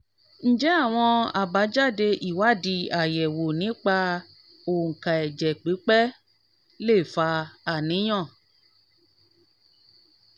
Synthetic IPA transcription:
n̩˦d͡ʒɛ˦a˦˨w̃ɔ̃˧a˨ba˨˦d͡ʒa˦˨de˧ʔi˦˨wa˨˦˨di˧a˨jɛ˨wo˨nĩ˨˦k͡pa˧ | o˨ŋ̩˨kã˨ɛ˨d͡ʒɛ˨k͡pi˨˦k͡pɛ˦ | le˦˨fa˧a˦˨nĩ˨˦j̃ɔ̃˦˨

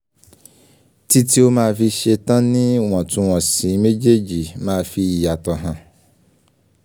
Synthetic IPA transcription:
ti˦ti˦o˦mãː˦˧fi˧ʃe˧tã˦nĩ˦˨w̃ɔ̃˨tũ˧w̃ɔ̃˨sĩ˨˦me˦d͡ʒe˦d͡ʒi˨mãː˦˧fi˧i˨a˨tɔ˨ɦã˨

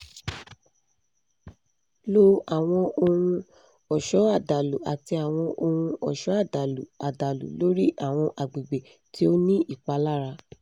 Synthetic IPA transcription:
lo˦a˨w̃ɔ̃˧o˧hũ˧ | ɔ˨ʃɔ˨˦a˦˨da˨lu˨a˨ti˧a˨w̃ɔ̃˧ʔo˧hũ˧ɔ˨ʃɔ˨˦a˦˨da˨lṵ˨a˨da˨lṵ˨lo˦ɾi˦ʔa˨w̃ɔ̃˧ʔa˨ɡ͡be˨ɡ͡be˨ | ti˦o˦nĩ˦ʔi˦˨k͡pa˧la˦ɾa˧

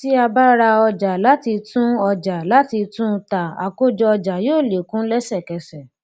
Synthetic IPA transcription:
ti˦a˧ba˦ɾa˧ɔ˧d͡ʒa˨la˨˦ti˧tũ˦ɔ˧d͡ʒa˨la˨˦ti˧tũ˦˧ta˨a̰˨ko˦d͡ʒɔ˧ɔ˧d͡ʒa˨joː˦˨le˨kũ˦lɛ˦sɛ˦˨kɛ˨sɛ˨

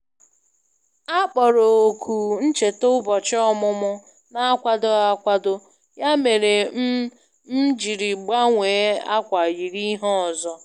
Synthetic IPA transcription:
a˦k͡pɔ˨ɾo˨o˨kʰu˨n̩˦t͡ʃe˨to˦bɔ˨t͡ʃɪ˦ɔ˦mʊ˦mʊ˦ | na˦a˦kʷa˨dʊ˦a˦kʷa˦dʊ˦ | ja˦me˨ɾe˨˦ | m̩˦d͡ʒi˨ɾi˨ɡ͡ba˦ŋʷeː˨˦a˦kʷa˨ji˨ɾi˦ɦɔ˦ɔ˨zɔ˦

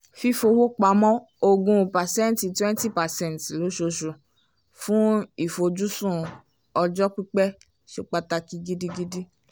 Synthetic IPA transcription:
fi˦fo˧wo˦k͡pa˨˧˦mɔ̃˦ | o˧ɡũ˧pa˨sɛ̃˦nti˨twɛ̃˦n˦ti˦pa˨sɛ̃˦n˨tlo˨˦ʃo˧ʃu˨ | fũ˦i˨fo˧d͡ʒu˦sũ˦˨ | ɔ˧d͡ʒɔ˦k͡pi˦k͡pɛ˦ | ʃo˦k͡pa˧ta˧ki˧ɡi˦di˦ɡi˦di˦

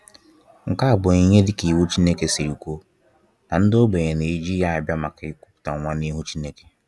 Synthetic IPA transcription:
ŋ̩˨ka˦a˨bʊ˨i˨ɲe˦dɪ˦ki˨wu˦t͡ʃi˦ne˦ke˦si˨ɾu˨kʷo˦ | na˨n̩˦dɪ˦o˦ɡ͡be˨ɲe˨ne˨i˦d͡ʒi˦ja˦a˨bja˦ma˨kɪ˦kʷu˦pʊ̥˨ta˨ŋʷa˦ni˦ɦu˦t͡ʃi˦ne˦ke̥˦

